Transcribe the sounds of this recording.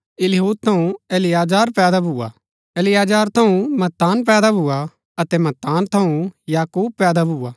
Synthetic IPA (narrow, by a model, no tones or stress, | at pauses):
ɪlɪɦuːd̪̚t̪ʰɐũeːlɪjaːd͡ʒaːɾpɛːd̪abʱʊːa̰ | eːlɪjaːd͡ʒaːɾt̪ʰɐũmɐt̪ːaːnp̬ɛːd̪abʱʊa | ɐt̪ɛmɐt̪ːaːnt̪ʰɐũjaːkuːb̚pɛːd̪abʱuːaː